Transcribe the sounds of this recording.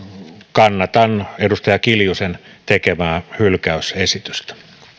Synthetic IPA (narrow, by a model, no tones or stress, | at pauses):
kɑnːɑt̪ɑnedust̪ɑjɑkiljusent̪ekemæːhylkæysesit̪y̥st̪æ̥